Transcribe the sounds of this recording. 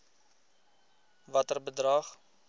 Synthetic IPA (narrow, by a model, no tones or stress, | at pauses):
vɐtərbədrɑːχ